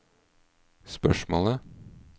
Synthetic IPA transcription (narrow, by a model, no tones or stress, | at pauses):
spœʃmo̰ːlə